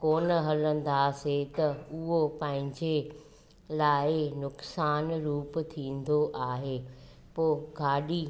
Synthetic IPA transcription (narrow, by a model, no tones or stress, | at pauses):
koːnə̆ɦɐlə̃nd̪aset̪ɐʊɦopɐ̃ɦɪ̃ɲd͡ʑe | laːɪnʊksaːnɾuːp̆t̪ʰĩːn̆d̪oʔaːɦeː | poːɡʱaːɗi